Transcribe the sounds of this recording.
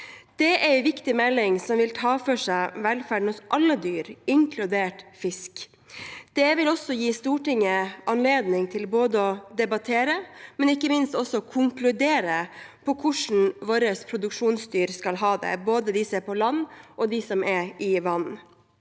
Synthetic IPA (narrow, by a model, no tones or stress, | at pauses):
d̪̥ɛʔɛɾʋɪkt̪ɪmɛlːɪŋsɔmʋɪlt̪ʰɑːfœʂæɪʋɛlfæɖɳ̩ɔsʔɑlːəd̪yːɾɪŋkʰlʉd̪eːʈfɪsk | d̪̥ɛʋɪlɔsɔjiːst̪uːʈɪŋːəʔɑnleːd̪nɪŋt̪ʰɪlboːd̪əɔd̪ɛbɑt̪ʰeːɾəmɛnɪkːəmɪnst̪ɔsːɔkʰʊŋklʉd̪eːɾəpʰɔkʰʊʂn̩ʋoːɾəspʰɾʊd̪ʉkʂuːnst̪yːɾskɑlɦɑːd̪ɛ̰boːd̪əd̪ɪseɾpʰɔlɑnːʔɔd̪ɪsɔmɛɾɪʋɑn